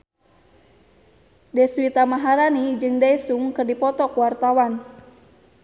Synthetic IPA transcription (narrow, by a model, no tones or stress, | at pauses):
dɛswit̪amaɦaɾanid͡ʒɨŋdajsuŋkɨrdipɔt̪ɔkwart̪awan